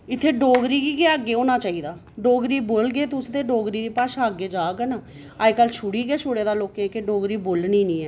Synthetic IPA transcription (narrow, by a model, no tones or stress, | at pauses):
ɪt̪ʰːeːɖoːɡɾiːkiːkeəɡːeːoːnaːt͡ʃaːiːd̪aː | ɖoːɡɾiːboːlɡeːt̪ʊsd̪eːɖoːɡɾiːd̪eːpaːʃaːɡeːd͡ʒaːɡɛna | aːekəlt͡ʃʰʊɽiːɡeːt͡ʃʰʊoːɽeːd̪aːloːkẽkeɖoːɡɾiːboːlniːnĩːɛː